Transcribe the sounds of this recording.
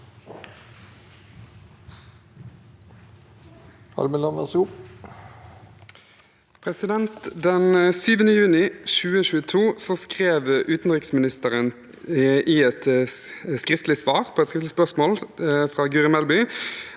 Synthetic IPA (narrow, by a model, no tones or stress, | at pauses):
ɑ̰lməlɑnʋɑ̰ʁsup | pʰʁɛsɪd̪ɛnt̪d̪ɛnsyːʋənəjʉːnɪʃʉːəɕʉːət̪ʰuːsoːskʁeːʋʔʉːt̪n̩ʁɪksmɪnɪst̪əʁən | ʔɪɛt̪ | skʁɪft̪lɪsʋɑːʁpʰoːɛt̪skʁɪft̪ɪspœʁsmoːlfʁɑːɡʉːʁɪmɛlbʏ